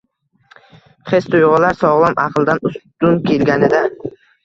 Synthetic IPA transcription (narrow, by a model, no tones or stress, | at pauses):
χest̪ʰʊjʁʊlaɾsɒʁlˠɒmʔɑ̰qʰlˠd̪anʊst̪ʊnkʲʰe̞lɡʲanɪd̪a